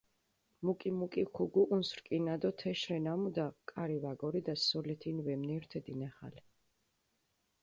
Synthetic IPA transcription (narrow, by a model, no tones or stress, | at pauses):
mukʼimukʼikʰuɡuʔunsɾkʼinad̪ɔt̪ʰɛʃɾɛnamud̪akʼaɾivaɡɔɾid̪asɔlɛt̪ʰinvɛmnɛɾt̪ʰɛd̪inaχa̰lɛ